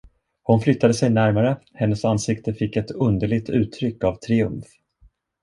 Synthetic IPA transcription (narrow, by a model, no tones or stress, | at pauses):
hʊnflʏt̪ːad̪əsɛjnæɾmaɾəhɛnːəsansɪkt̪əfɪkːɛt̪ɵnd̪əɭɪɡ̚t̪ʉ̟ːt̪ʰːɾʏkːavt̪ʰɾɪɵ̰mf